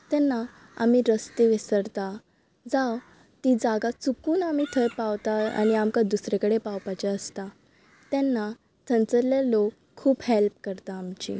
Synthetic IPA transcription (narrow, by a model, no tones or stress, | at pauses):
t̪ɛnːa | a̰miɾəst̪eʋesəɾt̪a | d͡zaw | t̪id͡zaɡat͡sukuːnamit̪ʰəɾpaʋt̪aa̰ñiamkad̪usɾekəɽepawpat͡ɕeəst̪a | t̪ɛnːa | t̪ʰənt͡səɾljalokʰːuːbhelp̚kəɾt̪aːmt͡ɕḭ